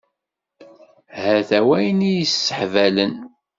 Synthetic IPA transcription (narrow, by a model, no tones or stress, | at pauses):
hæθæwæjnijəsːə̥ħvælən